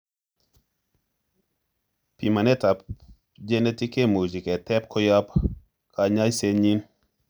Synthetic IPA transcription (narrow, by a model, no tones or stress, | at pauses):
pimanɛta | d͡ʒenetikemuzikɛtɛp̚kʰojap | kʰaɲajseɲin